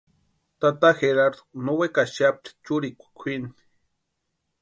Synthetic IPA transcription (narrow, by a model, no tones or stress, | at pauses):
t̪at̪axeɾaɾd̪o̥nowekaʃap̚t̪i̥t͡ʃuɾikʷḁkʷʰini̥